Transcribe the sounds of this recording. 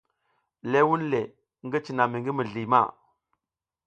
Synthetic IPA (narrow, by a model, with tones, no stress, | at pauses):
le˦wu˦nle˨ | ŋɡi˦t͡ʃi˨na˨mi˨ŋɡi˦mi˨ɮi˨ma̰˦˨